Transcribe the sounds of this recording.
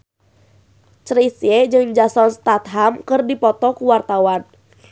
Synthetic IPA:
t͡ʃɾisjɛd͡ʒɨŋd͡ʒasɔnst̪at̪̚ɦamkɨrdipɔt̪ɔkuwart̪awan

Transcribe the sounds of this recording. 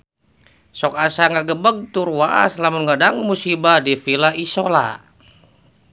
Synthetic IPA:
sɔk̚asaŋaɡəbəɡ̚t̪urwaʔa̰slamunɡadaŋmusibadifilaisola̰

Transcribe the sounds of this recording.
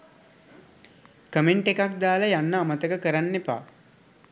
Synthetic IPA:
kəmeɳʈekakd̪aːləjanːəːmət̪əkəkəɾanːepa̰ː

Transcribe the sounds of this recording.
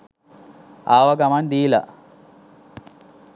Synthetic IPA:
aːʋaɡamand̪iːla̰

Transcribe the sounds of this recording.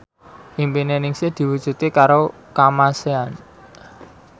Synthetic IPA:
ʔimpinenɪŋsɪd̪̥i̤wud̥ʒ̥ṳt̪ikaɾo | kamasean

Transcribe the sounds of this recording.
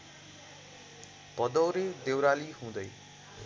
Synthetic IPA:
b̥ʌd̪ʌwɾed̪ewɾaliɦũd̪ʌj

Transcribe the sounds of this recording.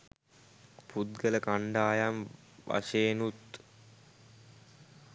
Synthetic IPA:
put̪̚ɡələkaɳɖaːjam | ʋa̰ʃeːnut̪

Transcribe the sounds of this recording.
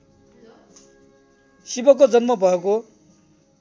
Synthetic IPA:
sibʌkod͡zʌnmʌbʱʌeko

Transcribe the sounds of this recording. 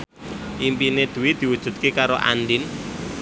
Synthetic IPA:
ʔimpined̪̥ṳwid̪̥i̤wud̥ʒ̥ṳt̪̚kekaɾoʔa̰nɖɪn

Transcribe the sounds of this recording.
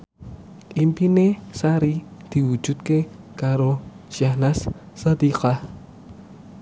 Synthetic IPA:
ʔimpinesaɾid̪̥iwu̥d͡ʒ̥ut̪̚ke | kaɾo | ʃjahnasːad̪iqa

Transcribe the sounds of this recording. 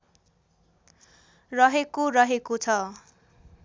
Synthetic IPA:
rʌɦekorʌɦekot͡sʰʌ

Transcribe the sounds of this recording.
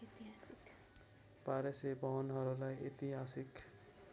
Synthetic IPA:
t̪a | paɾesebʌɦʌnɦʌɾulajit̪iɦasik

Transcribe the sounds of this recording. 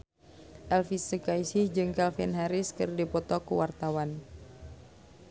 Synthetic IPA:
ʔɛlfisəkaisihd͡ʒɨŋkalfɛnɦaɾiskɨrdipɔt̪ɔkṵwart̪awan

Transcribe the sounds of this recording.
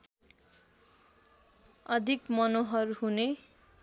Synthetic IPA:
ʌd̪ʱikmʌnoɦʌruɦune

